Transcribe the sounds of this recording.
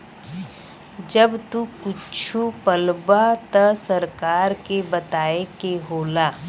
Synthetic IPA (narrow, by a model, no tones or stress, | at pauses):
d͡ʒəbt̪ukʊt͡ʃʰupəlbat̪ɐsɐɾkaːɾkebɐt̪aːekeɦoːlaː